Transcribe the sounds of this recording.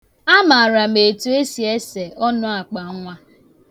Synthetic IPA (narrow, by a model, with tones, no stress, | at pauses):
a˦ma˨a˨ɾa˨m̩e˨tu˨e˦si˨e˦se˨ʔɔ˦nʊ˦a˨k͡pa˨˦ŋʷa˦